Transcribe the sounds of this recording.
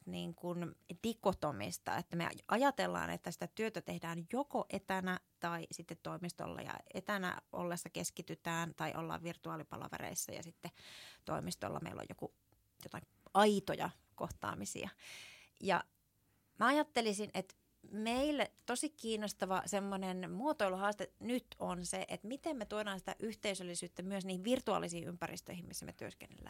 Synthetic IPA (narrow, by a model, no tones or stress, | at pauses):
niːŋkundikːˑot̪omḭst̪ɑ̰et̪ːæmḛʔɑjɑt̪elːɑ̰ːnʔḛt̪ːæsi̥t̪æt̪yøt̪æt̪ehdæːnjokoʔet̪ænæt̪ɑisit̪ːet̪t̪ːoimist̪o̰lːɑ̰jɑ̰et̪ænæ̰ʔo̰lːesːɑkeskit̪yt̪æːnt̪ɑiʔo̰lːɑ̰ːʋʋirt̪uɑːlipɑ̰lɑ̰ʋɑ̰rḛisːɑjɑ̰sit̪ːet̪oimist̪o̰lːɑ̰mḛilʔo̰jo̰ku | jot̪ɑkiɑit̪ojɑ̰ | koht̪ɑ̰ːmisḭɑ | jɑ̰ | mæɑjɑt̪ːelisinʔet̪ | meilːt̪osikkiːnːost̪ɑʋɑsemːonenmuot̪oiluhɑːst̪enyt̪onseʔet̪mit̪emmet̪uoɾɑːnsi̥t̪æʔyht̪eysølːisyːt̪ːæmyøsniːhiʋʋirt̪uɑ̰ːlisiːympærist̪ø̰ihimmisːæmḛt̪yøskḛnːḛlːæ̰ː